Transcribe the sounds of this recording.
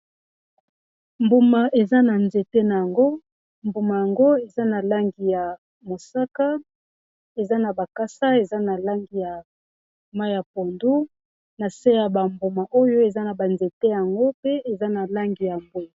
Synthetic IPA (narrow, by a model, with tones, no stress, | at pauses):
mbu˨ma˨ʔe˨za˦na˨nze˨te˦na˨ja˨ŋɡo˦ | mbu˨ma˨ja˨ŋɡo˦e˨za˦na˨la˦ŋɡi˨ja˨ | mo˨sa˦ka˦ | e˨za˦na˨ba˨ka˦sa˦e˨za˦na˨la˦ŋɡi˨ja˨ | ma˦ja˨po˨ndu˦ | na˨se˦ja˨ba˨mbu˨ma˨ʔo˦jo˦e˨za˦na˨ba˨nze˨te˦ja˨ŋɡo˦pe˦e˨za˦na˨la˦ŋɡi˨ja˨mbwe˦˨